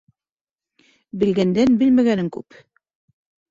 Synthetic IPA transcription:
bɘ̆lɡænd̪ænbɘlmæɡænɘŋkʉ̰p

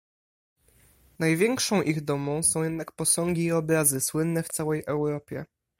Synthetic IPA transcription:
najvʲjɛŋkʂɔ̃w̃ʔiɣd̪ɔmɔ̃w̃sɔ̃w̃jɛd̪nakpɔsɔŋɡʲiːɔbɾazɘswɘnːɛft̪sawɛjʔɛwɾɔpʲjɛ̰

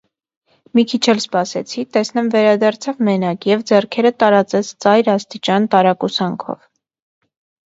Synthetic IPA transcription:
mikʰit͡ʃʰɛlspɑsɛt͡sʰit̪ɛsnɛmvɛɾɑd̪ɑɾt͡sʰɑvmɛnɑkjɛvd͡zɛrkʰɛɾət̪ɑɾɑt͡sɛt͡sʰt͡sɑjɾɑst̪it͡ʃɑnt̪ɑɾɑkusɑŋkʰɔ̰v

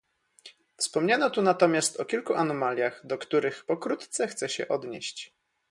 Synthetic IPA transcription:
fspɔmɲanɔt̪unat̪ɔmʲjast̪ɔkʲilkuʔanɔmalʲjaɣd̪ɔkt̪uɾɘxpɔkɾut̪t̪sɛxt̪sɛɕɛ̰ʔɔd̪ɲḛɕt͡ɕ

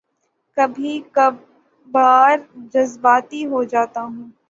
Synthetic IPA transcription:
kɐbʱikɐb | aːɾd͡ʒɐzbaːt̪iɦod͡ʒaːt̪aɦũː

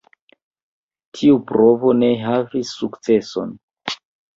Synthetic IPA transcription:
tʰiupɾo̞vo̞ne̞ɦavisːukt͡se̞so̞̰n

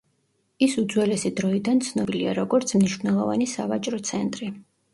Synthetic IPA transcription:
isud̪zwɛlɛsid̪ɾɔid̪ant̪sʰnɔbiliaɾɔɡɔɾt̪sʰmniʃvnɛlˠɔva̰nisavat͡ʃʼɾɔt̪sʰɛnt̪ʼɾi

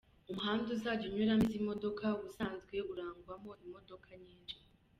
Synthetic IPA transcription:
umuɦaːnduzaːɟuɲwuɾamizimo̞do̞kʰaɡuzaːnzɡwe̞uɾaːŋɡwamo̞imo̞do̞kʰaɲiːnd͡ʒi

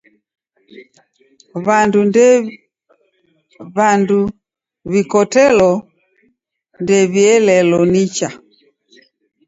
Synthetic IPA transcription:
βandud | βandu | βikɔtɛlɔ | ndɛβiɛlɛlɔnit͡ʃa

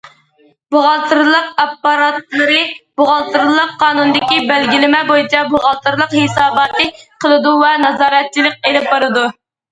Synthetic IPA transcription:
b̥oʁɑlˠt̪ʰɨɾlˠəq̚ɑpːɑɾɑt̪lˠɨɾɨb̥oʁɑlˠt̪ɨɾlˠəqʰːɑːnunɨd̪ɪkʲibælɡʲilɪmɛbojit͡ʃʰɛboʁɑlˠt̪ɨɾlˠəqhesɑːbɑːt̪ɨqʰəlˠɨd̪uvɛnɑzɑːɾɛt̪̚t͡ʃʰːilɪk̚ʲelɪp̚bɑɾɨd̪u

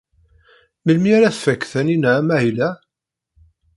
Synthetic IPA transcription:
məlmiaɾæθfækːθæninːmæhilæ

